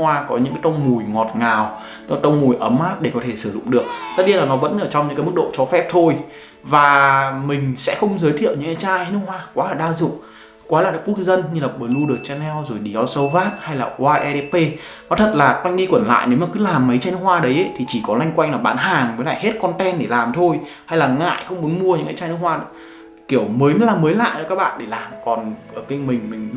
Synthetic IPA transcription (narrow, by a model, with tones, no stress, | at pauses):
waː˧kɔ˨˦ɲɨ̰˧˥kaː˨˦t̪ə˧wŋ͡mmu˨˩jŋɔ˨˩t̚ŋaː˨˩w | t̪ə˧wŋ͡mmu˨˩jʔə˨˦mʔaː˦˥p̚ɗe˧˩kɔ˨˦t̪ʰe˧˩sɨ˧˩zʊ̰˧˨ŋ͡mɗɨ˨˩ək̚t̪ə˦˥t̚ɗi˧laː˨˩nɔ˨˦və̰˧˥nʔəː˧˩t͡ɕɔ˧wŋ͡mɲɨ̰˧˥ŋkːjm˦˥k̚ɗo̰˧˨t͡ɕɔ˨˦fɛ˦˥p̚t̪ʰo˧j | vaː˨˩mï˨˩ŋ̟sɛ̰˧˥xə˧wŋ͡mzəː˨˦jt̪ʰi˧˨əwɲɨ̰˧ŋa˨˦jt͡ɕaː˧jha˧n˦˧khwaː˧kwaː˨˦laː˨˩ɗaː˧zɨ̰˧˨ŋ͡m | kwaː˨˦laː˨˩aː˨˦ku˦˥ək̚zə˧nɲɨ˧laː˨˩ɓəː˨˩lu˧ɗɨ˨˩ək̚t͡ɕɛ˧nɛ˧wzo˨˩jɗi˨˩ɔ˧sə˧wvaː˦˥t̚ha˧jlaː˨˩ʔwaː˧ʔɛ˧ɗe˧pe˧nɔ˨˦t̪ʰə˨˩t̚laː˨˩kwa˧jŋ̟ɗi˧kwə˧˩nla̰ː˧˨jne˨˦wmaː˨˩kɨ˨˦laː˨˩mːə˨˦t͡ɕaː˧jnɨ˦˥khwaː˧ɗə˨˦jʔə˨˧˦jt̪ʰi˨˩t͡ɕi˧˩kɔ˨˦la˧jŋkwa˧jŋ̟laː˨˩ɓaː˨˦nɦaː˨˩ŋməː˨˦jla̰ː˧˨he˦˥t̚kɔ˧nt̪ɛ˧nɗe˧˩laː˨˩mt̪ʰo˧j | ha˧jlaː˨˩ŋa̰ː˧˨jxə˧wŋ͡mmu˨˦ənmu˧əɲɨ̰˧˥ŋaː˨˧˦t͡ɕaː˧jn˦˥k̚hwaː˧ɗə˨˦ | ki˧˩əwməː˨˦jlaː˨˩mːəː˨˦jla̰ː˧˨jə˧˩kaː˦˥k̚ɓa̰ː˧˨nɗe˧˩laː˨˩mkɔ˨˩nʔəː˧˩ki˧ŋmï˨˩ŋ̟mï˨˩ŋ̟